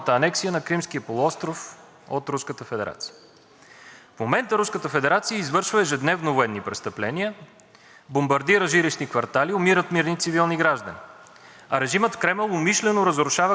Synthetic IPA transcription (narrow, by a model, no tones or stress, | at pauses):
t̪əːnɛksijənɐkɾimsk̟ijəpolˠʊɔst̪ɾof | o̰t̪ɾuskət̪əfɛd̪ɛɾa̰t̪si̥jə̥ | fmomɛnt̪əɾuskət̪əfɛd̪ɛɾat̪sijəizvɤɾʃvəɛʒɛd̪nɛvnovoɛnːipɾɛst̪əplɛniə | bombɐɾd̪iɾəʒiɾiʃnikvɐɾt̪aliʊmiɾət̪miɾnit̪sivilˠniɡɾaʒd̪ə̰ni | ɐɾɛʒimət̪fkɾɛmɛlˠʊmiʃlɛnoɾəzɾʊʃavə